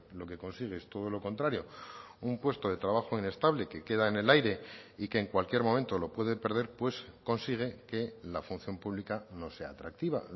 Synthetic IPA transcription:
lo̞ke̞ko̞nsiɣ̞eest̪o̞ð̞o̞lo̞ko̞nt̪ɾaɾjo̞umpwe̞st̪o̞ðe̞t̪ɾaβ̞axo̞ine̞st̪aβle̞ke̞ke̞ðaene̞lajɾe̞ike̞ːŋkwalkje̞ɾmomẽ̞nt̪o̞lo̞pwe̞ðe̞pe̞ɾð̞e̞ɾpwe̞sko̞nsiɣ̞e̞ke̞lafunθjo̞mpuβlikano̞se̞a̰ːt̪ɾak̚t̪iβa̰

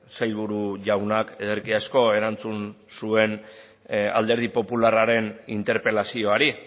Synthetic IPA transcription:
sajʎβ̞uɾuʝawnakeðeɾkiasko̞e̞ɾant͡sunsue̞n | a̰ld̪e̞ɾð̞ipo̞pularaɾe̞nint̪e̞ɾpe̞lasio̞aɾi

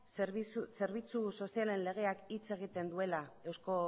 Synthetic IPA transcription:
se̞ɾβit͡suso̞siale̞nle̞ɣ̞e̞akit͡se̞ɣ̞it̪e̞nd̪ue̞lae̞wsko̞

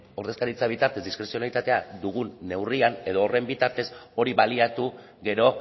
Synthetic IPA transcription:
o̞ɾðe̞skaɾit͡saβ̞it̪aɾt̪e̞zd̪iskɾe̞sio̞nait̪at̪e̞ad̪uɣ̞unːe̞wriane̞ð̞o̞ːre̞mbit̪aɾt̪e̞so̞ɾiβaliat̪u | ɣe̞ɾo̞

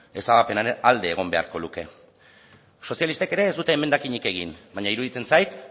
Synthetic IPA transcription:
e̞saβape̞naɾeald̪e̞ːɣ̞o̞mbe̞a̰ɾko̞luke̞ | so̞sjalist̪eke̞ɾe̞ːzd̪ut̪e̞ːme̞nd̪akiɲike̞ɣ̞inbaɲaiɾuðit͡se̞nsajt̪

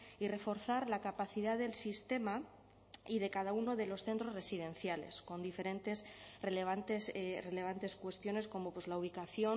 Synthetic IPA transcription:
ire̞fo̞ɾθaɾlakapaθiðaðe̞lsist̪e̞ma | iðe̞kaðauno̞ðe̞lo̞sθe̞nt̪ɾo̞re̞siðẽ̞nθjale̞̰sko̞nd̪ife̞ɾe̞nt̪e̞sreleβant̪esre̞le̞β̞ant̪e̞skwe̞st̪jo̞ne̞sko̞mo̞pwe̞zlauβ̞ikaθjo̞

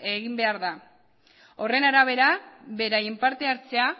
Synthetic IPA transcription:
e̞ɣimbe̞aɾða | o̞re̞naɾaβ̞e̞ɾaβe̞ɾajempaɾt̪e̞aɾt͡se̞a

